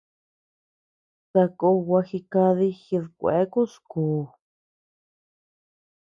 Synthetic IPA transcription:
sa˧ko˧wʷa˧xi˧ka˧ði˧xi˧ðkʷḛ˨˦ku˦skuː˨

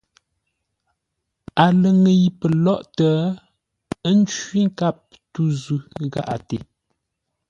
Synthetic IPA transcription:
a˨lə˨ŋə˨ji˨pə˨lɔ˦ʔtə˦ | ə˦n̩˦t͡ʃwɥi˦ŋ̩˦ka˦˨p̚ | tu˦zʉ˨˦ɣa̰˨ʔa̰˨te˨

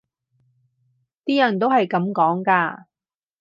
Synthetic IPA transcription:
t̪iː˥jɐ˨˩nt̪o˥whɐ˨jkɐ˨˥mkɔː˨˥ŋkaː˧

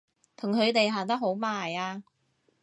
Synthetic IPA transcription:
t̪ʰʊ˨˩ŋkʰɵ˨˧ɥt̪e˨jɦaː˨˩nt̪ɐ˥k̚ɦo˨˥wmaː˨˩jaː˧

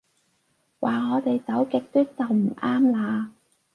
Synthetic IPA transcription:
wʔaː˨ŋɔː˨˧t̪e˨jt͡sɐ˨˥wkɪ˨k̚t̪yː˥t̚t͡sɐ˨wm̩˨˩ʔaː˥mlaː˨˧

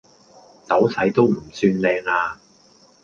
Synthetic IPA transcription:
t͡sɐ˨˥wsɐ˨˥jt̪o˥wm̩˨˩syː˧nlɛː˧ŋaː˧

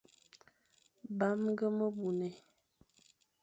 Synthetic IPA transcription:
ba˨˦m˦ɡə˦mə˦bu˨nɛ˨

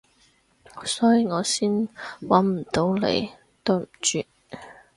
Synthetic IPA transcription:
sɔː˨˥jiː˨ŋɔː˨˧siː˥nwɐ˨˥nm̩˨˩t̪o˨˥wlḛ˨˩j | t̪o˥wm̩˨˩t͡ʃyː˨˧

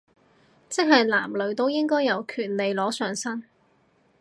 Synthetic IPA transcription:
t͡sɪ˥k̚ɦɐ˨jlaː˨˩mlɵ˨˥ɥt̪o˥wjɪ˥ŋkɔː˥jːɐ˨˧wkʰyː˨˩t̚le˨jlɔː˨˥sœː˨˧ŋsɐ˥n

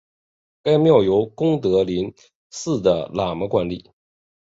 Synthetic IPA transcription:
ka˥ɪmjɑ˥˩ʊjo˧˥ʊkʊ˥ŋt̪ɤ˧˥li˧˥n | sɹ̩˥˩d̪ə˩la˨˩mə˧˥kwa˧˥nli˨˩˦

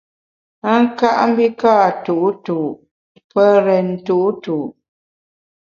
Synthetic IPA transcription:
a˦ŋ̩˦ka˦ʔm̩˦bi˦kaː˦˨tu˨ʔtuː˨ʔ | pə˦ɾɛ˨n˨tu˦˨ʔtuː˨ʔ

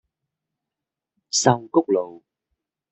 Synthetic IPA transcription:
sa˧wko˦˥k͡p̚lo˨˩w

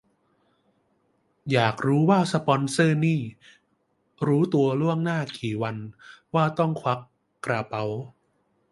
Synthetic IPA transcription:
jaː˨˩k̚ɾuː˦˥waː˥˩sa˧pɔ˧nsɤː˥˩niː˥˩ | ɾuː˦˥t̪u˧ɐlu˥˩əŋnaː˥˩kiː˨˩wa˧nwaː˥˩t̪ɔ˥˩ŋkʰwa˦˥kː | ɾaː˧pa˦˥w

